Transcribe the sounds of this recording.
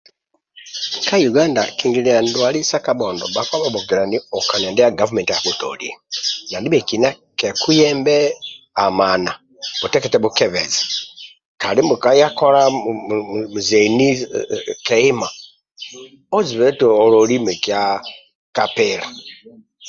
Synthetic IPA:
ka˦juɡa˦nda̰˨ki˨ŋɡi˨lia˨ndwa˨li˦sa˦ka˦ɓo˨ndɔ˨ba˨kwa˦βa˨bu˨ɡi˨ɾa˨ni˦o˨ka˨na˨ndɛ˦ja˦ɡa˦vu˦me˨ntija˨kuto̰˨lḭna˨ndi˦βe˨kina˦ | ke˨ku˦jɛːmbɛ˦ | a˨ma˨na˨ | butɛ˦kɛt͡sɛβukɛvɛ̰zi̥ | ka˨li˦mbukaja˦ko˦ɾa | uzeni˦kei˦ma˨ | o˦d͡zi˨βɛto˨o˨loli˦mɛ˨kja | kapɛla

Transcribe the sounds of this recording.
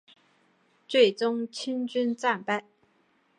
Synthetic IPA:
t͡swe˥˩ɪʈ͡ʂʊ˥ŋt͡ɕʰi˥nt͡ɕy˥nt͡sa˥˧npa˥˩ɪ

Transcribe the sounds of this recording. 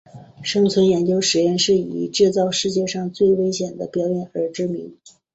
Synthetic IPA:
ʂɤ˥ŋt͡sʰwə˧˥njɛ˧˥nt͡ɕjo˥ʊʂɻ̩˧˥jɛ˥˧nʂɻ̩˥˩ḭ˨˩ʈ͡ʂɻ̩˥˧t͡sɑ˥˧ʊʂɻ̩˥˧t͡ɕjɛ˥˧ʂɑ˥˧ŋt͡swe˥˩ɪwe˥ɪɕjɛ˨˩nd̪ə̰˦pjɑ˧˥ʊjɛ˨˩˦nə˞˧˥ʈ͡ʂɻ̩˥mḭ˧˥ŋ

